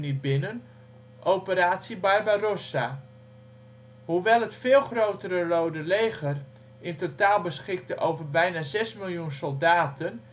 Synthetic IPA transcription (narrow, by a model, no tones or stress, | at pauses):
nibɪnən | ʔowpəɾaːtsibajbajrosa | huʋɛlˠɦətfɪːlˠxrowtəɾərowdəlejɣər | ɪntotaːlˠbəsχɪk̚təʔowvərbɛjnazɛsmɪlˠjunsolˠdaːtʰən